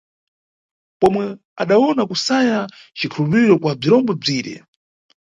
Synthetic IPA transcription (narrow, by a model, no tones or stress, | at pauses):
pɔmwɛ | a̰ɗaɔnakusaja | t͡ʃikʰulupiɾɔkwab͡ʐiɾɔmbɔb͡ʐiːɾɛ̰